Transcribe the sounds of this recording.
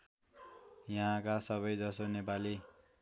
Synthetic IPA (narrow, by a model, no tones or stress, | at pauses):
jaɦãkasʌβʌjd͡zʌsonepali